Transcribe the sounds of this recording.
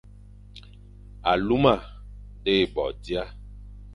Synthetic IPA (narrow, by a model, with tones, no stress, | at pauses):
a˨lu˦mã˦˨ | ɖe˦e˨bɔ̰˨di˦a˦